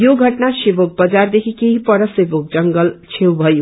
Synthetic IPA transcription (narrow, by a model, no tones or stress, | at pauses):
joɡʱʌʈnasebok̚bʌd͡zard̪ekʰikeɦipʌɾʌsebok̚d͡zʌŋɡʌlt͡sʰewbʱʌju